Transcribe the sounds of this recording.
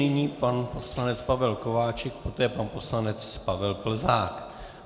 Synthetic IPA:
ɪɲiːpanposlanɛt͡spavɛlko̞vaːt͡ʃɛk̚pot̪ɛːpanpo̞slanɛt͡spavɛlpl̩zaːk

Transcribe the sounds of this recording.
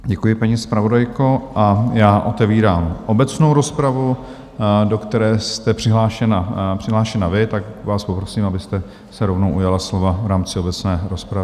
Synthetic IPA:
ɟɛkujɪpaɲispɾavo̞dajko̞ʔajaːʔo̞t̪ɛviːɾaːmʔo̞bɛt͡sno̞wɾo̞spɾavu | do̞kt̪ɛɾɛːst̪ɛpr̝̥ɪɦlaːʃɛnapr̝̥ɪɦlaːʃɛnavɪt̪akvaːspo̞pɾosiːmabɪst̪ɛ | sɛɾo̞vnowʔujalaslo̞vavɾaːmt͡sɪo̞bɛt͡snɛːɾo̞spɾaɪ

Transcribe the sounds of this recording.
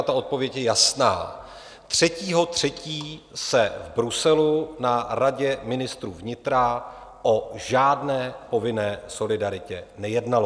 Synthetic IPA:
at̪ao̞t̪̚po̞vjɛcjɛjasna̰ː | t̪r̝̥ɛciːɦo̞t̪r̝̥ɛciːsɛvbɾusɛlunaɾaɟɛmɪnɪst̪ɾṵːvɲɪt̪ɾaʔo̞ʒaːdnɛːpo̞vɪnɛːso̞lɪdaɾɪcɛnɛjɛdnalo

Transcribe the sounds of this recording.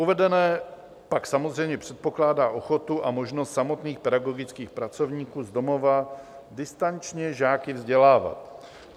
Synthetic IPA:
ʔuvɛdɛnɛː | paksamozr̝ɛjmɲɛpr̝̥ɛt̪̚po̞klaːdaːʔo̞xo̞t̪uʔamo̞ʒnost̪samo̞t̪niːxpɛdaɡo̞ɡɪt͡skiːxpɾat͡so̞vɲiːkuːzdo̞mo̞va | dɪst̪ant͡ʃɲɛʒaːkɪvzɟɛlaːva̰t̪

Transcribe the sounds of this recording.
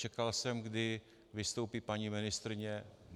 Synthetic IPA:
t͡ʃɛkalsɛmɡdɪ | vɪst̪o̞wpiːpaɲimɪnɪst̪ɾɪɲɛ | n

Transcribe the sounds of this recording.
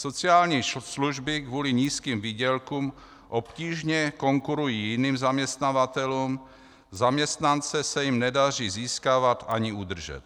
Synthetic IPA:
so̞t͡sɪaːlɲiːsluʒbɪkvuːlɪɲiːskiːmviːɟɛlkuːm | ʔo̞pciːʒɲɛko̞ŋkuɾujiːjɪniːmzamɲɛst̪navat̪ɛluːm | zamɲɛst̪nant͡sɛsɛjɪmnɛdar̝iːziːskaːvat̪ʔaɲɪud̪r̩ʒɛ̰t̪̚

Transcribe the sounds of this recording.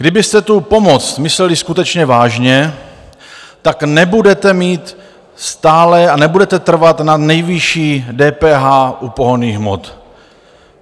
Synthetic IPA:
ɡdɪbɪst̪ɛt̪upo̞mo̞t͡st̪mɪslɛlɪskut̪ɛt͡ʃɲɛvaːʒɲɛ | t̪aknɛbudɛt̪ɛmiːt̪ | st̪aːlɛanɛbudɛt̪ɛt̪r̩vat̪nanɛjvɪʃiːdɛːpɛːɦaːʔupoɦoniːɣɦmo̰t̪

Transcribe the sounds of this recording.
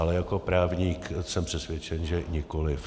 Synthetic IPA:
alɛjako̞pɾaːvɲiːksɛmpr̥ɛsvʲjɛt͡ʃɛnʒɛɲɪko̞lɪf

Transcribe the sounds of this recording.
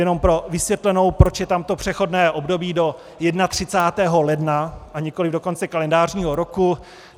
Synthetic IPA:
jɛno̞mpɾo̞vɪsvjɛt̪lɛno̞wpɾot͡ʃjɛt̪amt̪o̞pr̝̥ɛxo̞dnɛːʔo̞bdo̞biːdo̞ | jɛdnat̪r̝̥ɪt͡saːt̪ɛːɦo̞lɛdnaʔaɲɪko̞lɪvdo̞ko̞nt͡sɛkalɛndaːrɲiːɦo̞ɾo̞ku

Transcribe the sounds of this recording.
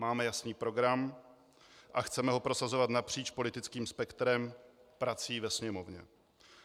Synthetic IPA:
maːmɛjasniːpɾo̞ɡɾam | ʔaxt͡sɛmɛɦo̞pɾo̞sazo̞vat̪napr̝̥iːt͡ʃpo̞lɪt̪ɪt͡skiːmspɛkt̪ɾɛmpɾat͡siːvɛsɲɛmo̞vɲɛ̰

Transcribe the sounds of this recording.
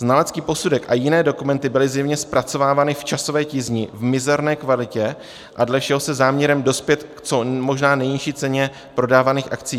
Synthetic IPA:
znalɛt͡skiːpo̞sudɛkʔajɪnɛːdo̞kumɛnt̪ɪbɪlɪzjɛvɲɛspɾʔat͡so̞vaːvaːnɪft͡ʃaso̞vɛːcɪzɲɪvmɪzɛɾnɛːkvalɪcɛ | ʔadlɛfʃɛɦo̞sɛzaːmɲɛɾɛmdo̞spjɛt̪kt͡so̞mo̞ʒnaːnɛjɲɪʃiːt͡sɛɲɛ | pɾo̞daːvaniːxʔakt͡sijː

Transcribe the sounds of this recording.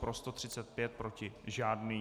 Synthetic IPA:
pɾost̪ot̪r̝̥ɪt͡sɛt̪̚pjɛt̪̚pɾo̞cɪʒaːdniː

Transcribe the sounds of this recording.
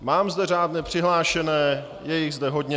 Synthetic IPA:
maːmzdɛr̝aːdnɛpr̝̥ɪɦlaːʃɛnɛː | jɛjɪɣzdɛɦo̞dɲɛ

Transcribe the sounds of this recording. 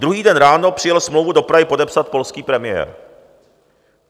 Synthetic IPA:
d̪ɾuɦiːdɛnɾaːnopr̥ɪjɛlsmlowvudo̞pɾaɦɪpo̞dɛpsat̪̚po̞lskiːpɾɛmɪjɛ̰ːɾ

